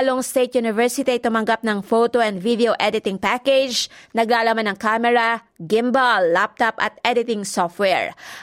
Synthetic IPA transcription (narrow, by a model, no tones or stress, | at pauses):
loŋst̪ejt̪̚junɪvɛɹsɪt̪iɐjt̪ʊmɐŋɡap̚nɐŋfot̪oʔɛnd̪vid̪ɛoʔɛd̪ɪt̪ɪŋpakɛd͡ʒnɐɡlaːlɐmanɐŋkamɛɹɐ | ɡɪmbɐlːap̚t̪ɐpʔɐ̰t̪̚ɛd̪ɪt̪ɪŋsoft̪wɛɹ